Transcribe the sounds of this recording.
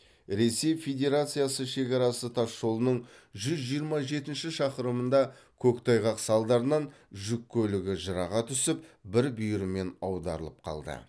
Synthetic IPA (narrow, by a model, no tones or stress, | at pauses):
ɾe̞se̞jfe̞d̪ʲe̞ɾat̪sɨjasəʃe̞kʲɑɾɑsət̪ʰɑsːo̞lˠənəɴʒʏzʒijəɾmɑʒe̞t̪ɪnʃɪʃɑqəɾəmənd̪ɑkʲʰɵkt̪ʰɑjʁɑqsɑlˠd̪ɑɾənɑn | ʒʏkʲʰːɵlɪɡʲɪʒəɾɑʁɑt̪ʰʏsɪp̚bɪɾbʏjɾɪme̞nɑwd̪ɑ̰ɾə̰lˠəp̚qʰɑ̰lˠd̪ə̰